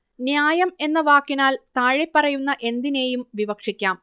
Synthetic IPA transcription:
njaːjɐme̞nːɐʋaːkːinaːlt̪aːɻepːɐrɐjunːɐʔe̞nd̪ine̞ːjumʋibɐkʂikʲːaːm

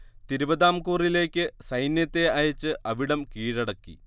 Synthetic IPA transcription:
t̪iɾubɐðaːmkuːrile̞ːkʲːɨsɐjnjɐt̪ːe̞ɐjɐt͡ɕːɨʔɐʋiɽɐmkiːɻɐɽɐkːḭ

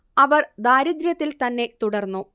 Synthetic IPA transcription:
ɐʋɐrd̪aːɾid̪ɾjɐt̪ːilt̪ɐnːe̞t̪uɽɐrnːu

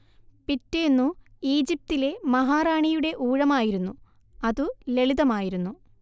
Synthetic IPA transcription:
pitːenːuiːd͡ʑip̚t̪ile̞mɐɦaːraːɳijuɽe̞ʔuːɻɐmaːjiɾunːu | ɐðule̞ɭiðɐmaːjiɾunːu

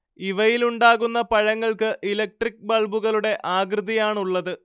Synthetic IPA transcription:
iʋɐjiluɳɖaːɣunːɐpɐɻɐŋːɐɭkɨʔilɐk̚ʈrik̚bɐɭbuɣɐɭuɽe̞ʔaːɡrɨðijaːɳuɭːɐðɨ

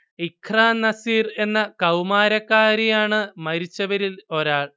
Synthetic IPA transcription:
ikʰraːnːɐsiːre̞nːɐkɐwmaːɾɐkːaːɾijaːɳɨmɐɾit͡ɕːɐʋɐɾilo̞ɾaːɭ

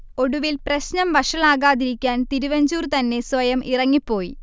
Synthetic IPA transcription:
o̞ɽuʋilprɐɕnɐmʋɐʂɐɭaːɣaːðiɾikʲːaːnt̪iɾuʋɐɲd͡ʑuːrt̪ɐnːe̞sʋɐjɐmʔirɐŋːipːo̞ːji

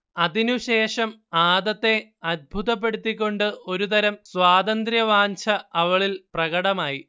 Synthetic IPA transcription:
ɐðinuɕe̞ːʂɐmaːd̪ɐt̪ːe̞ɐd̪̚bʱut̪ɐp̬ːe̞ɽut̪ːikʲːo̞ɳɖɨo̞ɾut̪ɐɾɐmswaːd̪ɐnd̪ɾjɐʋaːɲt͡ɕʰɐɐʋɐɭilprɐɣɐɽɐmaːji

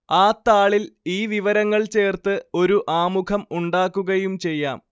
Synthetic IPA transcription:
aːt̪ːaːɭiliːʋiʋɐɾɐŋːɐɭt͡ɕe̞ːrt̪ɨo̞ɾuʔaːmukʰɐmuɳɖaːkːuɣɐjumt͡ɕe̞jːa̰ːm

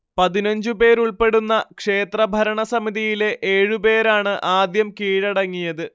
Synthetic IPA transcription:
pɐðinɐɲd͡ʑɨpe̞ːɾuɭpe̞ɽunːɐkʂe̞ːt̪rɐbʱɐɾɐɳɐsɐmiðijile̞ʔeːɻupe̞ːɾaːɳɨʔaːd̪jɐmkiːɻɐɽɐŋːijɐðɨ

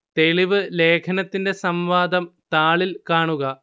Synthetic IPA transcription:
t̪e̞ɭiʋɨle̞ːkʰɐnɐt̪ːinde̞sɐmʋaːd̪ɐmt̪aːɭilkaːɳuɣɐ

